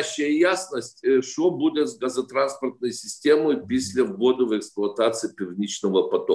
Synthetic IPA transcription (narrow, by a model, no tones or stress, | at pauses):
ɕːɪjəjasnəsʲtʲʂt̪obudʲɪt̪zɡazɐt̪ɾanspərt̪̚nəjsʲɪsʲtʲeməjpʲɪsʲlʲɪvɡod̪ɨvɛksplˠʊɐt̪at̪sɨɪpʲɪrnʲit͡ɕnəvəpɐt̪ok